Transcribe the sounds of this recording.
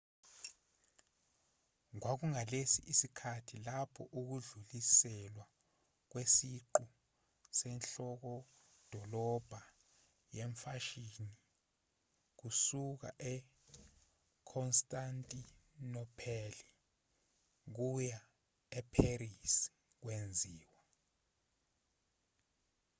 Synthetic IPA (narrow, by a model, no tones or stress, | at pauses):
ŋwak̬uŋalesḭʔisikʰatʰilapʰɔʔuk̬uɮulisɛlwa | k̬wesiǃu | sɛnɬɔk̬ɔ | d̥ʱɔlɔb̥ʱa | jeɱfaʃini | k̬usuk̬a̰ʔɛ | kʰɔnstʼantʼinɔpʰɛli | k̬uja | ɛpʰerisi̥ | k̬wend͡zʱiːwa